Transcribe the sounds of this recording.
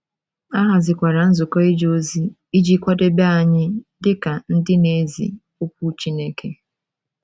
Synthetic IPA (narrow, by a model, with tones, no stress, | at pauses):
a˦ɦa˨zɪ˨kʷa˨ɾa˨n̩˦zʊ˨kɔ˦i˦d͡ʒo˦zi˦ | i˦d͡ʒi˦kʷa˦de˦be˦a˨ɲɪ˦dɪ˦ka˨n̩˦dɪ˦ne˦zḭ˨ | u˦kʷu˦t͡ʃi˦ne˦ke˨